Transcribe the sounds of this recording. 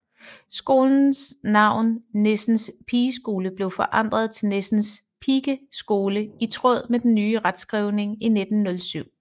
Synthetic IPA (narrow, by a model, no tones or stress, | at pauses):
sɡ̥o̝ːln̩snɑ̈ʊ̰nne̝sn̩spʰiːsɡ̥o̝ːləb̥le̝ʊfɒ̽ʔɑ̈n̰d̥ʁɐð̞̩ˠt͡sʰe̝lne̝sn̩s | pʰiɡ̥əsɡ̥o̝ːləit͡sʰʁɔð̞̰ˠmed̥enːyːəʁad̥sɡ̥ʁiʊne̝ŋine̝d̥n̩ːɔ̽lsyʊ̰